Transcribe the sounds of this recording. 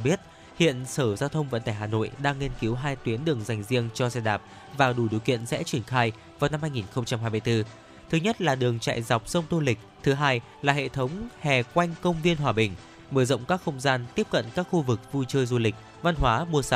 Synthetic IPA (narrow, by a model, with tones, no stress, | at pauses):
ɓi˦˥ət̚ | hḭ˧˨ənsəː˧˩zaː˧wt̪ʰə˧wŋ͡mvə̰˧˥nt̪aː˧˩jɦaː˨˩no̰˧˨jɗaː˧ŋːi˧nki˨˦wɦaː˧jt̪wi˨˦ənɗɨ˨˩əŋza˨˩jŋ̟zi˧əŋt͡ɕɔ˧za˧ɗaː˨˩p̚ | vaː˨˩wɗu˨˧˩ɗi˨əwkḭ˧˨ənsɛ̰˧˥t͡ɕwi˧˩ənxaː˧j | vaː˨˩wna˧mhaː˧jŋi˨˩nxə˧wŋ͡mt͡ɕa˧mhɦaː˧jmɨ˧jt̪ɨ˧ | t̪ʰɨ˨˦ɲə˦˥t̚laː˨˩ɗɨ˨˩əŋt͡ɕa̰ː˧˨jza˨˩wk͡p̚sə˧wŋ͡mt̪o˧lï˨˩k̟̚t̪ʰɨ˨˦ɦaː˧j | laː˨˩ɦḛ˧˨t̪ʰə˨˦wŋ͡mhɛ˨˩kwa˧jŋ̟kə˧wŋ͡mvi˧ənɦwaː˨˩ɓï˨˩ŋ̟ | məː˧˩zə̰˧˨wŋ͡mkaː˦˥k̚xə˧wŋ͡mzaː˧nt̪i˦˥əp̚kə̰˧˨nkaː˦˥k̚xu˧vɨ˨˩k̚vu˧t͡ɕəː˧jzu˧lï˨˩k̟̚ | va˧nɦwaː˨˦ɓu˧˩əsa˨˦